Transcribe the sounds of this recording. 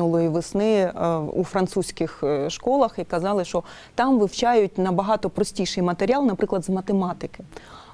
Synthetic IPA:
ʊlˠɔjiʋɪsnɪṵfɾɐnt̪susʲkɪxʃkɔlˠɐxikɐzɑlˠɪʃt͡ʃɔ | t̪ɑmʋɪwt͡ʃɑjʊt̚ʲnɐbɐɦɑt̪ɔpɾɔsʲtʲijʃɪjmɐt̪eɾʲiɑlˠnɐpɾʔɪklˠɐd̪zmɐt̪emɑt̪ɪkɪ

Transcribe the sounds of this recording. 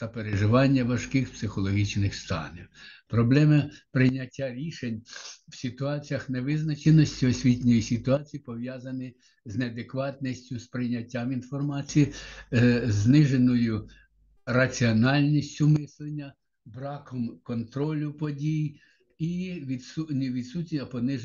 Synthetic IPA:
t̪ɐpeɾeʒɪʋɑnʲːɐʋɐʃkɪxpsɪxɔlˠɔɦʲit͡ʃnɪxst̪ɑ̰niwpɾɔblˠɛmɪpɾɪnʲɐtʲːaɾʲiʃenʲwsʲɪt̪ʊɑt͡sʲijɐxneʋɪznɐt͡ʃenɔsʲtʲiɔsʲʋʲitʲnʲɔjisʲɪt̪ʊɑt͡sʲijipɔʋjɑzɐnɪ | zneɐd̪ekʋɑt̪nisʲtʲʊspɾɪjnʲɐtʲːaminfɔrmɑt͡sʲiji | znɪʒenɔjʊ | rɐt͡sʲiɔnɑlʲnʲisʲtʲʊmɪslˠenʲːɐ | bɾɑkɔmkɔnt̪ɾɔlʲʊpɔdʲij | iʋʲid̪sunʲʋʲid̪sutʲnʲiɐpɔnɪʒ

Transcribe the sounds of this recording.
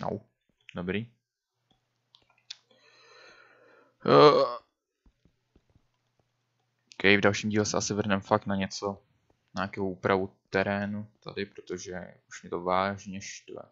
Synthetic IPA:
no̰w | dobɾiː | kɛjɪvdalʃiːmɟiːlɛsɛʔasɪvr̩nɛmfak̚t̪naɲɛt͡so̞ | ɲaakɛowʔuːpɾʔavut̪ɛɾɛːnut̪a̰dɪpɾot̪o̞ʒɛ | uʃmɛt̪ovaːʒɲɛʃt̪vɛ̰

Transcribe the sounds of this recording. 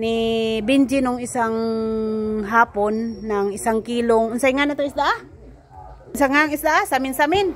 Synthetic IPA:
nɪbɪnd͡ʒɪnʊŋɪsaŋ | ɦaːponːaŋɪsaŋkiːloŋʔʊnsajŋanat̪aɪsd̪aʔa | ʊnsaŋaŋɪsd̪aʔasamɪnsamɪn

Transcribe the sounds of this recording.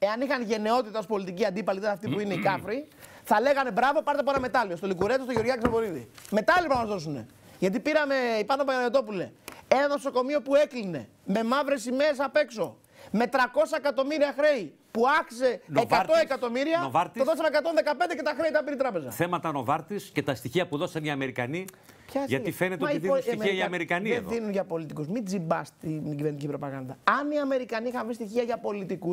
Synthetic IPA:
e̞ɐnixɐnʝe̞ne̞o̞t̪it̪ɐospo̞lit̪iciɐnd̪ipɐlit̪ðesɐft̪ipuineikɐfɾi | θɐle̞ɣɐne̞bɾɐvo̞pɐɾt̪ep̬oenɐme̞t̪ɐliost̪olikuɾet̪ost̪oeo̞ɾʝɐksovo̞ɾiðḭme̞t̪ɐlipɐɐmɐzðo̞s̬une̞̰ | ʝɐt̪̬ipiɾɐme̞ipɐno̞poɣɐnɐnot̪o̞pulḛenɐno̞so̞ko̞mio̞pue̞kline̞̰ | me̞mɐvɾe̞simes̬ɐpe̞kso̞ | me̞t̪ɾɐko̞sɐekɐt̪o̞miɾiɐxɾe̞i | puɐki̥se̞neɐɾt̪o̞ekɐt̪o̞miɾiɐovɐɾt̪ioðosɐnekɐt̪o̞nðe̞kɐpend̪ecet̪ɐxɾe̞it̪ɐpiɾit̪ɾɐpe̞zɐ̰θemɐt̪ɐno̞vɐɾt̪iscet̪ɐst̪içiɐpuðo̞sɐniɐme̞ɾikɐni | pçɐʝɐt̪ifenet̪esɐmiɐɐmeɾikɐnieðinunʝɐpo̞lit̪ikuzmid͡zibɐst̪iniɟivenicipɾo̞pɐɣɐnd̪ɐɐniɐme̞ɾikɐnixɐɱvɾist̪içiɐʝɐpo̞lit̪ikus

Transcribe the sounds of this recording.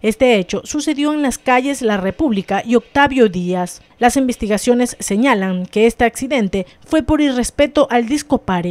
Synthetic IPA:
e̞st̪e̞et͡ʃo̞suse̞ðjo̞eŋlaskaʝe̞zlare̞puβlikaʔio̞k̚t̪aβjo̞ðias | lasimbe̞st̪iɣasjo̞ne̞sːe̞ɲalaŋke̞est̪eaksiðe̞nt̪e̞ | fwe̞po̞ɾire̞spe̞t̪o̞ʔald̪isko̞paɾe

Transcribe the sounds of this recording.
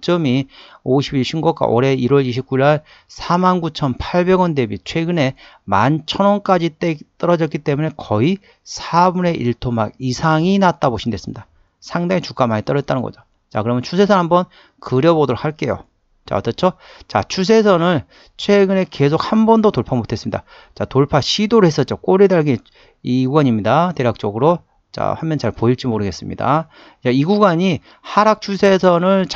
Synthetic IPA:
t͡ɕ͈ʌmioɕʰibiɭɕʰiŋɡʌk͈a̰ʔoɾe̞iɾwʌɾiɕʰip̚k͈uiɭaɭ | sʰamanɡut͡ɕʰʌnpʰaɭbe̞ɡwʌnde̞bit͡ɕʰwe̞ɡɯne̞ | ma̰nt͡ɕʰʌnwʌnk͈ad͡ʑit͈e̞t͈ʌɾʌd͡ʑʌk͈it͈e̞mune̞kʌi | sʰabune̞ʔiɭtʰomaɡisʰaŋinat͈aboɕʰindwe̞sɯmɲid̥a | sʰaŋdaŋit͡ɕuk͈amaɲit͈ʌɾʌet͈anɯnŋɡʌ̰d͡ʑo | t͡ɕakɯɾʌmɯnt͡ɕʰus̬ʰe̞sʰʌnɦhambʌn | kɯɾjʌbodoɾok̚haɭk͈e̞jo̰ | t͡ɕa̰ʌt͈ʌt͡ɕʰo | t͡ɕat͡ɕʰus̬ʰe̞sʰʌnɯn | t͡ɕʰwe̞ɡɯne̞ke̞sʰok̚hambʌndotoɭpʰamotʰes͈ɯmɲida̰ | t͡ɕatoɭpʰaɕʰidoɾɯɭhe̞s͈ʌt̚t͡ɕ͈ok͈oɾidaɭɡe | iɡwaɲimɲidate̞ɾak̚t͡ɕ͈ʌɡɯɾo | t͡ɕa̰hamjʌnt͡ɕaɭpoiɭt͡ɕ͈imoɾɯɡe̞s͈ɯmɲḭda̰ | t͡ɕaiɡuɡaɲi | haɾak̚t͡ɕʰusʰe̞sʰʌnɯɭt͡ɕ

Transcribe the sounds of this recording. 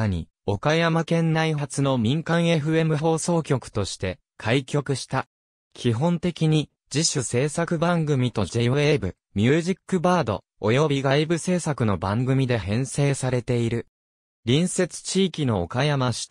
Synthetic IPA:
ɲ̟ḭ | o̞kajamakẽ̞nːaiɦat͡sɨno̞mʲĩŋkãɰ̃e̞ɸɯ̟e̞mɯ̟ɦo̞ːso̞ːkʲo̞kɯ̟̥t̪o̞ɕi̥t̪e̞ | kʰaikʲo̞kɯ̟ɕi̥t̪a | kʲʰiɦõ̞nt̪e̞kʲiɲ̟i | d͡ʑiɕɨse̞ːsakɯ̟bãŋɡɯ̟mʲit̪o̞d͡ʑe̞ie̞bɯ̟ | mʲɨːʑikːɯ̟baːd̪o̞̰ | ojo̞bʲiɡaibɯ̟se̞ːsakɯ̟no̞bãŋɡɯ̟mʲid̪e̞hẽ̞ɰ̃se̞ːsaɾe̞t̪e̞iɾɯ̟ | ɾʲĩɰ̃se̞t͡sɨ̥t͡ɕiːkʲino̞̰ːkajamaɕi̥t̪

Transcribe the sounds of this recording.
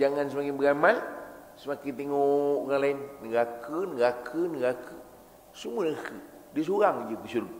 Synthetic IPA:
d͡ʒaŋans̬əmakiŋbəɡaman | səmakit̪iŋoɣaŋlainːəɡakʰənəɡakʰənəɡakʰə | sumuənəkə | dis̬uɾaŋd͡ʒəkəsuɾuk̚

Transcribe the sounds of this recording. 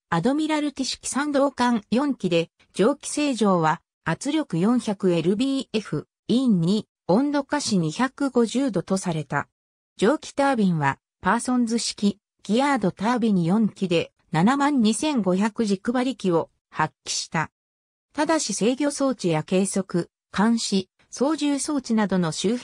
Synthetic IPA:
ad̪o̞mʲiɾaɾɯ̟t̪ʲiɕi̥kʲi̥sãnd̪o̞ːkãŋjõ̞ŋkʲid̪e̞ | d͡ʑo̞ːkʲi̥se̞ːʑo̞ːβa | at͡sɨɾʲo̞kɯ̟jõ̞ɰ̃çakɯ̟e̞ɾɯ̟bʲiːe̞ɸɯ̟ | iɲːi | õ̞nd̪o̞kaɕiɲ̟içakɯ̟ɡo̞ʑɨːd̪o̞t̪o̞saɾe̞t̪a̰ | d͡ʑo̞ːkʲi̥t̪aːbʲĩɰ̃βa | paːsõ̞nzɨɕi̥kʲi | ɡ̥ʲiaːd̪o̞t̪aːbʲiɲ̟ijõ̞ŋkʲid̪e̞ | nanamãɲ̟ːisẽ̞ŋɡo̞çakɯ̟ʑikɯ̟baɾʲikʲio̞ | hakʲːi̥ɕi̥t̪a | t̪ad̪aɕise̞ːɡʲo̞ːso̞ːt͡ɕijake̞ːso̞kɯ̟ | kʰãɰ̃ɕi | so̞ːʑɨːso̞ːt͡ɕinad̪o̞no̞ɕɨː

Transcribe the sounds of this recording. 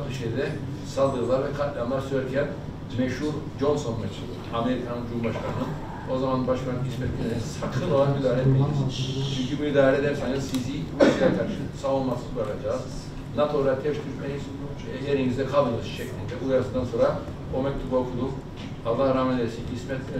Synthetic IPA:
t̪ʰoʃed̪ɛ | salˠd̪ɯɯzlˠaɾvɛkʰat̪ːlʲianlˠaɾsøjɛɾcʰæn | mɛʃhuɾd͡ʒo̞nso̞nmɛt͡ʃʰɯlˠɯame̞ɾikʰanɯnd͡ʒumbaʃkʰanɯnɯn | o̞zamanbaʃkanismɛt̪̚ːʲilʲensakʰɯnolˠanmid̪aːɾɛt̪̚mʲilʲiɾiz̥t͡ʃʰyncʰibuid̪aːɾɛd̪ɛnsajnɯzsiziislʲaɾkʰaɾʃsaolˠmasɯzbaɾlad͡ʒaːz̥ | nat̪ʰo̞ɾat̪ʰɛpt̪ʰyɾpʰeniz | jeɾinizd̪ɛkʰalˠb̪ɯnɯzʃʰɛclʲind̪ʰɛbujaɾasɯnd̪anso̞nɾa | omɛc̚t̪ʰubaokʰud̪um | hazlːˠaːɾaːmɛnʲeɾsiismɛt̪

